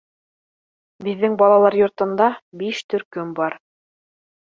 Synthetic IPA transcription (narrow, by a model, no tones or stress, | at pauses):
bɘ̆ðːɘŋbɑlˠɑlˠɑɾjŏɾt̪ɤ̆nd̪ɑbiʃt̪ɵ̆ɾkɵmbɑɾ